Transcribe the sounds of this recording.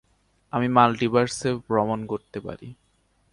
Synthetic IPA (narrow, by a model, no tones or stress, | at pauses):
amimalɖibaɾsebɾɔmonkoɾt̪epa̰ɾḭ